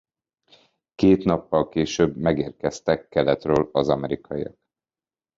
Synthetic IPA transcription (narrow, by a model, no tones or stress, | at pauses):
keːt̪nɒpːɒlkeːʃøːbmɛɡeːrkɛst̪ɛkːɛlɛt̪røːlɒzɒmɛɾikɒijɒ̰k̚